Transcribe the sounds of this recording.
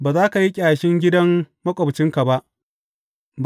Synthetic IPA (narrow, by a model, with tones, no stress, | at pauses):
baː˨zaː˦ka˨ji˦kʲʼaː˨ʃɪ˦ŋɡʲɪ˦dɐ˦mːɐ˦kʷʼɔ˨bt͡ʃɪ˦ŋka˨ba˦ʔ | b